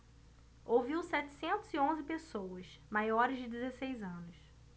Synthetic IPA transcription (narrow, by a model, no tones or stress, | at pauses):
owviwsɛt͡ʃɪ̥sẽnt̪ʊz̥iõzɪpesowɐsmajɔɾɪzd͡ʒɪd̪ezesejzɐ̃nʊs